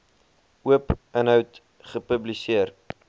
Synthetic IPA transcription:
uəpənɦœwt | χəpəblisiər

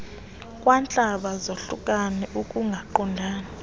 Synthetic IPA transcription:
kʼwant͡ɬʼaɓazoɬṵkʼanɛʔukʼuŋɡʱaǃɔndʱaːni

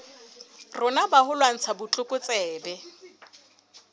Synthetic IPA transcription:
rʊnabahʊlwan̩t͡sʰabʊt͡ɬʼʊkʼʊt͡sʼɛːbɛ

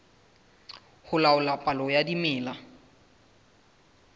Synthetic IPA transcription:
hʊlaʊlapʼalɔjadimɪːla

